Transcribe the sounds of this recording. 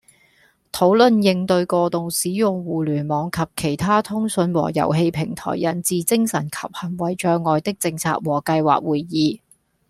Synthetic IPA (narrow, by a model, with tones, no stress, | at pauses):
t̪ʰo˨˥wlɵ˨˧njɪ˧ŋt̪ɵ˧ɥkɔː˧t̪ʊ˨ŋsiː˨˥jʊ˨ŋwuː˨lyː˨˩nmɔː˨˧˥ŋkʰɐ˨p̚kʰe˨˩jt̪ʰaː˥t̪ʰʊ˥ŋsɵ˨˧nwɔ̰ː˨˩jɐ̰˨˩wɦe˧jpʰɪ˨˩ŋt̪ʰɔ̰ː˨˩jːɐ˨˩nt͡siː˨t͡sɪ˥ŋsɐ˨˩nkʰɐ˨p̚hɐ˨˩ŋwɐ˨jt͡ʃœː˧ŋːɔː˨jt̪ɪ˥k̚t͡sɪ˧ŋt͡sʰa̰ː˨k̚wɔː˨˩kɐ˧jwa̰ː˨k̚wuː˨˩jːiː˨˧